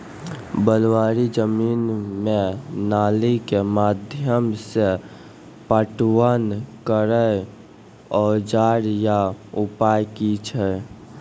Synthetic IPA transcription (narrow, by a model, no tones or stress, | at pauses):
bəlwaɾid͡ʒəmiːnmenalikemad̪ʱjəmse | pəʈwənkəɾə | ɔd͡ʒaɾjaupajkit͡ʃʰɛ